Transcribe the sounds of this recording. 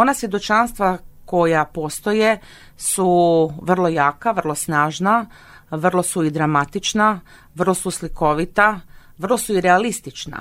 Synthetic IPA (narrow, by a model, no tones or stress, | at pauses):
o̞nasʋjed̪o̞t͡ʃanst̪ʋako̞japo̞ːst̪oje̞ | suʋr̩lˠo̞jaːkaʋrlˠo̞snaːʒna | ʋr̩lˠo̞suid̪ɾamat̪it͡ʃna | ʋr̩lˠo̞susliko̞ʋit̪aʋər̩lˠo̞suiɾealist̪it͡ʃna̰